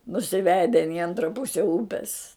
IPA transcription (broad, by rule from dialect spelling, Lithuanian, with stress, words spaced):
nʊsʲɪˈʋʲæːdʲɛn ɪ ˈɐntrɐ ˈpʊsʲɛ ˈuːpʲɛs